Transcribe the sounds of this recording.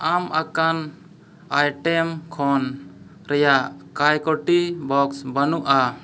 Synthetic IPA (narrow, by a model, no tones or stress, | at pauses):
amʔakan | ajʈɛmkʰɔn | ɾɛjaʔkajkɔʈibɔksbənuʔa